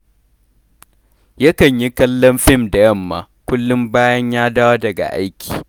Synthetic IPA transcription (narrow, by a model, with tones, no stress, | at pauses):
jɐ˦kɐ˨ɲji˦kɐ˦lːɐ˦mɸɪ˦˨mda˨jɐ˦˨mːa̰ː˨ | kʷʊ˦lːʊ˦mbaː˦jɐ˦ɲjaː˦daː˦wo˦dɐ˨ɡa̰˨ʔa˦jkʲʰi̥ː˨